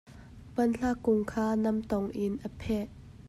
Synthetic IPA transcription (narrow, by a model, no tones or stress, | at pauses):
pɐnɬakːʊŋkʰaːnɐmt̪ɔŋʔɪnʔəpʰɛʔ